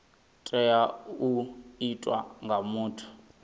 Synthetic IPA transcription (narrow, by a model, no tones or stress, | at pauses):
tʼɛjauitʼwa̰ŋɡʱamuːtʰu̥